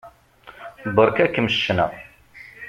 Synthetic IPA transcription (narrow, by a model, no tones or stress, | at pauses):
bəɾkækːəmʃːənə̰